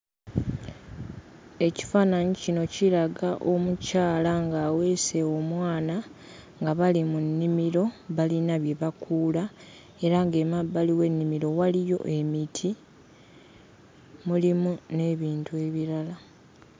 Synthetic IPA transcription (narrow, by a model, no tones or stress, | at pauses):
e̞ci̥faːnaɲicino̞ciɾlaɡaʔo̞mucaːlaŋɡaːwe̞ːse̞omwaːna | ŋɡaβalimunːimiɾo̞βalinaβje̞βakʰuːla | e̞ɾaŋɡe̞mabaliwe̞nːimiɾo̞walijo̞̰ʔe̞mitʰi | mulimune̞ːβiːntue̞βiɾala